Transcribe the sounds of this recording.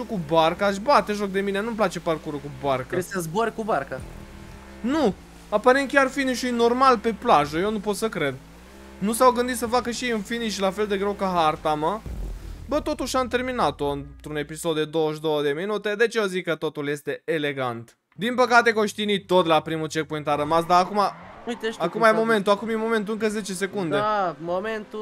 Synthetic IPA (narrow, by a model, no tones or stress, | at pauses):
ukubarkaʃ̬bat̪e̞ʒo̞k̚d̪e̞mine̞nump̬lat͡ʃe̞parkuɾukubarkəesəzboɾʲkubarka | nu | apaɾent̪̚kʲarfiniʃujno̞rmalpe̞plaʒəjenupo̞t̪səkɾe̞d̪ | nusawɡɨnd̪it̪səfakəʃiɨnfiniʃʲlafe̞ld̪e̞ɡɾe̞wkəɦart̪amə | bət̪o̞t̪uʃʲamt̪e̞rminat̪o̞ɨnt̪ɾune̞piso̞d̪ːe̞d̪o̞wəʃd̪o̞wəd̪e̞minut̪e̞d̪e̞t͡ʃeozikːət̪o̞t̪ulje̞st̪e̞ele̞ɡant̪ | d̪inpəkat̪e̞koʃt̪init̪o̞t̪lapɾimut͡ʃe̞k̚poĩŋkt̪aɾəmasd̪aːkumaujt̪eakumajemo̞me̞nt̪uakumjemo̞me̞nt̪uɨŋkəze̞t͡ʃe̞se̞kund̪emoment̪u